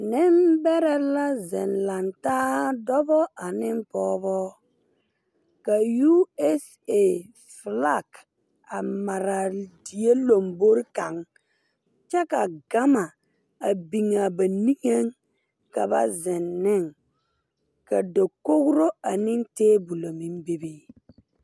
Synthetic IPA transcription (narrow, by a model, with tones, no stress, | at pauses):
nɪ˦mbɛ˦ɾɛ˨la˦zɪ̰˨nla˨ntaː˦dɔ˦bɔ˦ʔa˨nɪ˦mpɔː˦bɔ˦ | ka˨ju˦ɛ˦s | e˨ | fla˦˨k | a˨ma˨ɾa˨di˨e˦lo˨mbo˦ɾka˨ŋ | t͡ʃɛ˦ka˨ɡa˦ma˨ | a˨bi˨ŋa˨ba˨ni˦ŋe˦ŋ | ka˨ba̰˦zɪ˨nːɪ˦˨ŋ | ka˨do˨ko˦ɡu˦ɾo˦a˨nɪ˦nteː˦bu˨lo˨mi˦mbe˦be˦